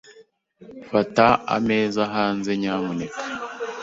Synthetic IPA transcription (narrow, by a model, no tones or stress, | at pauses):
fataa̰me̞ːzaɦaːnze̞ɲaːmunekḁ